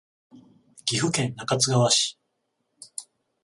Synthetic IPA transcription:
ɡ̥ʲiɸɯ̟kẽ̞nnakat͡sɨɡaβaɕi̥

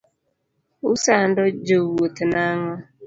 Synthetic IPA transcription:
ʊsandɔd͡ʒowotɪnaŋa

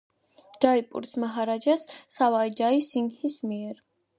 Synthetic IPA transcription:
d͡ʒ̥aipʼṵɾsmaɦaɾad͡ʒasːawaid͡ʒaisiŋhismiɛɾ

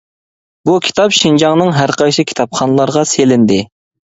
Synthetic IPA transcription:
bukʲʰi̥t̪ʰɑpʃind͡ʒɑŋnɨŋɦæɾqʰɑjʃikʲʰi̥t̪ʰɑpχɑnlˠɑɾʁɑselɪnd̪ɪ

